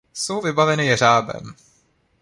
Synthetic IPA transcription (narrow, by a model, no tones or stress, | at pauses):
so̞wvɪbavɛnɪjɛr̝aːbɛ̰m